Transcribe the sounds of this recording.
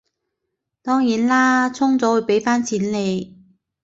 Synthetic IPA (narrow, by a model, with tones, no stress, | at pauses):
t̪ɔː˥ŋjiː˨˥nlaː˥t͡sʰʊ˥ŋt͡sɔː˨˥wɵ˨˧˥pe˨˥jfaː˥nt͡sʰiː˨˥nle˨˧j